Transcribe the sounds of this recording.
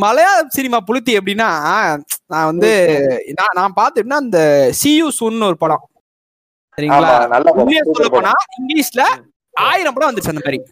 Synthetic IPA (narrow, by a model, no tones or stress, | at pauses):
mɐlɐjaːsɪnɪmaːpʊɻɯt̪ːiɛp̬ːɐɽɪnːaː | nãːʋɐnd̪ɯnãːnãːpaːɾt̪ɯʈnːaːɐnd̪ɐsijuːsuːnnɯɔɾɯpɐːɽõː | ɐɾiŋɡːɐɭaanɐlːaʊmːɐsɔːɐpːoːnaːɪŋɡɭiːslɐ | aːjɪɾɐ̃mpoːɽɐ̃ʋɐnd̪ɾʈt͡ʃːɛ̃ːnd̪ɐmaːɾi